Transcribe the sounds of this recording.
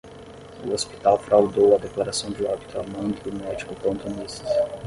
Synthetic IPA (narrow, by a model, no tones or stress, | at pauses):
ʊospi̥t̪awfɾawd̪owɐd̪eklaɾasɐ̃w̃d͡ʒɪɔbit̪ʊamɐ̃nk̪ɾɪʊmɛd͡ʒikʊpõnt̪ʊnist̪ɪ̥